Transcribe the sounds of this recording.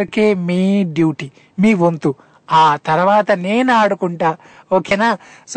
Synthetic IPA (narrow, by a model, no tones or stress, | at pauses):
ɾikeːmiːɖjuːʈi | miːʋont̪u | aːt̪ɐɾɐʋaːt̪ɐne̞ːnaːɽukuɳʈaː | oːkenaːs